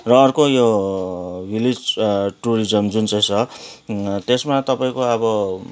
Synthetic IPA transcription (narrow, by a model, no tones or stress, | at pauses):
rʌːrkojo | bilid͡zʈuɾid͡zʌmd͡zunt͡sʌj̃t͡sʰʌ | t̪esmat̪ʌpaĩkoʌbʌ